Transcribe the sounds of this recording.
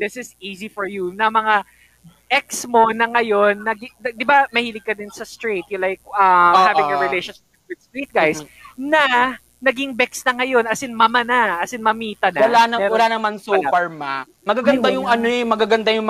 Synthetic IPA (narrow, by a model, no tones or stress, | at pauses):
d̪ɪsɪsiːzifɔɹjunɐmɐŋa | ʔɛksmo̞nɐŋɐjo̞nːɐɡɪɐd̪ɪbamɐhiːlɪɡ̚kɐd̪ɪnsɐst̪ɹet̪̚jʊlajk̚ʔɐmhavɪ̃ŋjɐɹɪlejʃonʃɪp̚wɪd̪̥̚st̪ɹit̪̚ɡajsnɐ | nɐɡɪŋbɛksnɐŋɐjo̞nɐsɪnmɐmɐnɐʔɐsɪnmɐmiːt̪ɐnɐwɐlanɐɛwɐlanɐmansoafɛɹma | mɐɡaɡɐnd̪ajʊŋɐnoɛmɐɡaɡɐnd̪ajʊŋ